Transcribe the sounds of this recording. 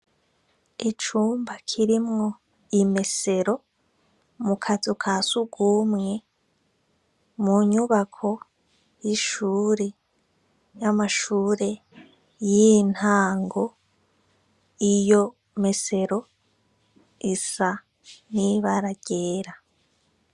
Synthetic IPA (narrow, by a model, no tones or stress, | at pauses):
it͡ʃuːmbakʰiɾimŋo̞ | ime̞se̞ɾo̞ | mukʰazukʰasuɡumŋe̞ | muɲuβakʰo̞ | jiʃuɾe | jamaʃuːɾe̞ | jin̥haːŋɡo̞ | ijo̞ | me̞se̞ɾo̞ | isa | niβaɾaɟ̥eːɾa